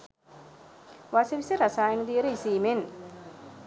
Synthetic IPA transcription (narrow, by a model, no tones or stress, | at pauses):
ʋaseʋiseɾasaːjenud̪ijəɾəisiːmen